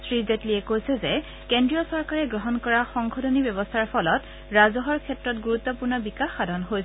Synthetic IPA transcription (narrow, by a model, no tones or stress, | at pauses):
sɹizetliɛkojsɛze | kendɹijɔsɔɹkaɹɛɡɹɔɦɔnkɔɹaxɔŋkʰɔdʰonibjɔβɔstʰaɹpʰɔlɔt | ɹazɔɦɔɹkʰɛtɹɔtɡuɹut̪ːɔpuɹnɔbikaxːadʱɔnɦojsɛ